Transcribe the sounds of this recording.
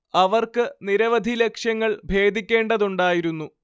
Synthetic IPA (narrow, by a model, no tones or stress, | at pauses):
ɐʋɐrkɨniɾɐʋɐd̪ʱilekʂjɐŋːɐɭbʱe̞ːd̪ʱikʲːe̞ːɳɖɐðuɳɖaːjiɾunːu